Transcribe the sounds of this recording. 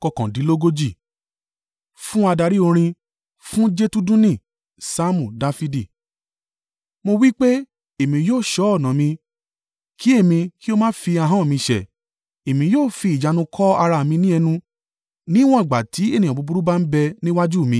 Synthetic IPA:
kɔ˧kã˨di˨˦lo˦ɡo˦d͡ʒi˦˨ | fũ˦a˧da˧ɾi˦o˧ɾ̃ĩ˧ | fũ˦d͡ʒe˦tu˦dũ˦nĩ˦˨ | sa˦mũ˨da˧fi˧di˨ | mo˧wi˦k͡pe˦ | e˦˨mĩ˧joː˦˨ʃɔ˨˦ɔ˦˨nã˨mĩ˧ | ki˨˦e˦˨mĩ˧ki˦o˦mãː˦fi˧a˧ɦã˦˨mĩ˧ʃɛ˨ | e˨mĩ˧joː˦˨fi˧i˨d͡ʒa˨˧nũ˧kʰɔ˦a˧ɾa˧˨mĩ˧nĩ˦ɛ˧nũ˧ | nĩ˦w̃ɔ̃˦i˨ɡ͡ba˨tʰi˨˦e˦nĩ˨ɔ̃˨bu˨˧bu˨˦ɾu˦ba˦n̩˦bɛ˧nĩ˦wa˦d͡ʒu˦˨mĩ˧

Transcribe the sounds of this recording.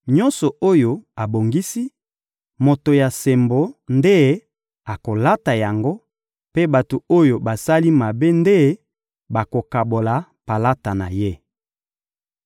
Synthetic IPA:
ɲɔ̃˦nsɔ˨o˦jo˨a˨bo˨ŋɡi˦si˦ | mo˨to˨ja˨se˨mbo˨˦nde˦ | a˨ko˨la˦ta˨ja˨ŋɡo˦ | pe˦ba˨to˨o˦jo˨ba˨sa˦li˦ma˨be˦nde˦ | ba˨ko˨ka˨bo˨la˨pa˨la˦ta˨na˨je˦

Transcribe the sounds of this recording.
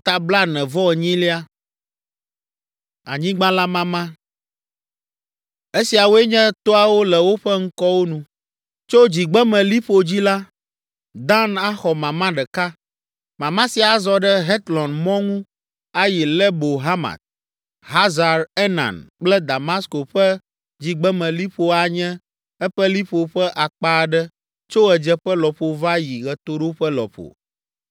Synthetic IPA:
t̪a˨bla˦nɛ̃˨vɔ˦ɛ˨ɲĩ˦li˦a˦ | a˨ɲĩ˦ɡ͡bã˦la˦mã˦mã˦ | e˦si˨a˨wo˦ɛ˦ɲɛ̃˦t̪o˦a˨wo˦lɛ˨wo˦ɸɛ˦ŋ̩˦kɔ˦wo˦nũ˨ | t͡ʃo˦d͡ʑi˨ɡ͡bɛ˦mɛ̃˨li˦ɸo˨d͡ʑi˦la˦ | d̪ã˦na˦xɔ˨mã˨mã˦ɖɛ˨ka˦ | mã˨mã˦si˨a˨zɔ˨ɖɛ˦ɦɛ˦t̪lɔ̃˨nmɔ̃˦ŋũ˦ | a˦ji˨lɛ˦bo˨ɦa˦mã̰˨t̪̚ | ɦa˦za˨ɾɛ˦nã̰˨nk͡plɛ˦d̪a˨mã˦sko˨ɸɛ˦ | d͡ʑi˨ɡ͡bɛ˦mɛ̃˨li˦ɸo˦a˨ɲɛ̃˦ | ɛ˦ɸɛ˦li˦ɸo˨ɸɛ˦ʔa˨k͡pa˦˨ɖɛ˦ | t͡ʃo˦ɛ˨d͡ʒɛ˦ɸɛ˦lɔ˨ɸo˨va˦ji˨ɣɛ˨t̪o˦ɖo˦ɸɛ˦lɔ̰˨ɸo̰˨

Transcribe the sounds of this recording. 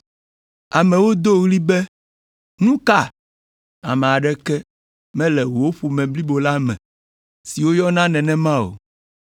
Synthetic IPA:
a˨mɛ̃˨wo˦d̪o˦ɣli˦bɛ˦ | nũ˦ka˦˨ | a˨mɛ̃˨a˨ɖɛ˦kɛ˦ | mɛ̃˦lɛ˨wo˦ɸu˨mɛ̃˨bli˦bo˨la˦mɛ̰̃˨ | si˨wo˦jɔ˦nã˦nɛ̃˨nɛ̃˦mã˦o̰˨

